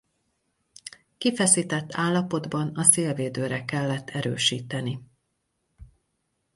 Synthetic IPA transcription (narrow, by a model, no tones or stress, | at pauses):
kifɛsiːt̪ɛt̪ːaːlːɒpo̞d̪bɒnɒseːlveːd̪øːɾɛkɛlːɛt̪ʰːɛɾø̰ːʃiːt̪ɛni